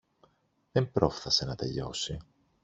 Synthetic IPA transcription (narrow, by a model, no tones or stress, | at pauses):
ðempɾo̞fθɐse̞nɐt̪e̞ʎo̞̰si